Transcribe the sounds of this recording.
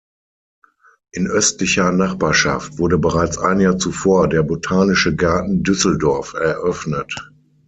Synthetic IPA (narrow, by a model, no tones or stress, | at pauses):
ʔɪnʔœstlɪçɐnaχb̥aːɐʃa̰ftv̥ʊɐɾəbəʁaɪt͡sʔa̰ɪnjaːɐt͡sufoːɐdeːɐbotʰaːnɪʃəɡaɐtn̩dʏsl̩dɔɐfɛɐʔœfnət